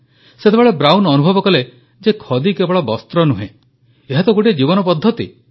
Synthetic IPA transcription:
set̪ʰebeɭebɾawnɔnubʱɔbɔkɔle | d͡ʒekʰɔd̪ikebɔɭɔbɔst̪ɾɔnuɦḛ̃ | eɦat̪ɔɡoʈid͡ʒibɔnɔpɔd̪ʱːɔt̪ḭ

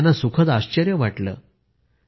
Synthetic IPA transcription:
nːasukʰət̪aɕt͡ɕəɾjəʋaʈlə̰ː

